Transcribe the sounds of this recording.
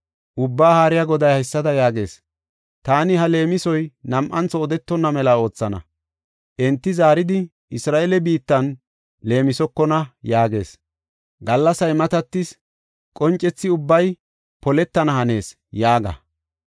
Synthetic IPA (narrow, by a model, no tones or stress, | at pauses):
ʔʊbːaːhaːɾɪjaɡɔd̪ɐjhɐɪsːɐd̪ɐjaːɡe̞ːs | t̪aːnɪɦɐle̞ːmɪsɔjnɐmʔɐnt͡sːɔːd̪ɛt̪ːɔnːɐmɛlao̞ːt͡sːɐnɐ̰ | ʔɛnt̪ːɪzaːɾɪd̪ɪ | ɪsɾaːʔɛlɛbiːt̪ːɐn | le̞ːmɪsɔkːɔnɐjaːɡe̞̰ːs | ɡɐlːɐsɐjmɐt̪ɐt̪ːɪs | kʼɔnt͡ʃʼːɛt͡sːɪʊbːɐj | pɔlɛt̪ːɐnɐhɐne̞ːs | jaːɡɐ̰